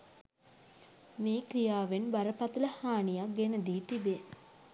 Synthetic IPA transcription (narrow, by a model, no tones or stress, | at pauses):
meːkɾijaːʋenbaɾəpat̪ələhaːnijak̚ɡenəd̪iːt̪ibe